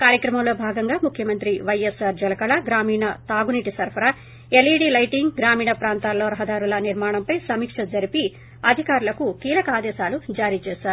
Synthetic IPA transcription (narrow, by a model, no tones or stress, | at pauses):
kaːɾjɐkɾɐmɐmlo̞ːbʱaːɡɐŋɡaːmukʰjɐmɐnt̪ɾiʋɐjesaːɾd͡ʒɐlɐkɐɭɐɡɾaːmiːɳɐt̪aːɡuniːʈisɐɾpʰɐɾaː | eliːɽilɐjʈiŋɡɡɾaːmiːɳɐpɾaːnt̪aːlːo̞ːɾɐɦɐd̪aːɾulɐniɾmaːɳɐmpɐjsɐmiːkʂɐd͡ʒɐɾipi | ɐd̪ʱikaːɾulɐkukiːlɐkɐaːd̪ɛːʃaːlud͡ʒaːɾiːt͡ʃɛːʃaːɾu